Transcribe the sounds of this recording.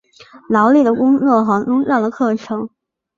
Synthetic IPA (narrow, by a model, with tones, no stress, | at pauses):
lɑ˧˥ʊli˥˩d̪ə˩kʊ˥ŋt͡swɔ˥˩xɑ˧˥ŋʈ͡ʂʊ˥ŋɻɑ˥˩ŋlə˩kʰɤ˥˩ʈ͡ʂʰɤ˧˥ŋ